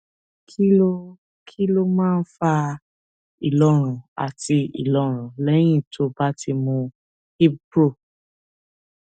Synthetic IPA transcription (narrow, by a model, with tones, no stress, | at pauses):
kʰi˦lo˦ | kʰi˦lo˦mãː˦˧n̩˦fa˧ | i˨lɔ˨˦ɾ̃ũ˨a̰˨ti˧ḭ˨lɔ˨˦ɾ̃ũ˨lɛ˦j̃ĩ˦˨tʰo˧˦ba˦ti˧mũ˧ | hi˦bɾo˦˨